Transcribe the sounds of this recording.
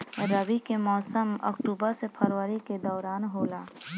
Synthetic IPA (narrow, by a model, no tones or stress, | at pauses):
ɾəbikemɔːsəmə̰kʈuːbəɾsepʰəɾʋəɾiked̪ɔːɾaːnɦoːlaː